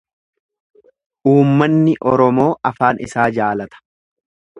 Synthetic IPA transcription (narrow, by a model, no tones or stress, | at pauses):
ʔuːmːɐnːɪʔɔɾɔmo̞ːʔɐfaːnʔɪ̰saːd͡ʒaːlɐt̪ɐ̥